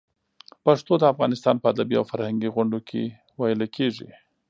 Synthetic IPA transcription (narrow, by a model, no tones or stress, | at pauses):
paʂt̪od̪əafɣɑnɪst̪ɑnpəad̪abia̰wfaɾhaŋɡiɣʊɳɖokʰḛ | wajəlakʰeʐḭ